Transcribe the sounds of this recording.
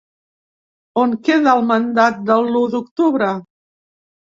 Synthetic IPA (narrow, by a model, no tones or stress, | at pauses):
oŋkeðəːlˠmənd̪at̪̚d̪əlud̪ukt̪uβɾə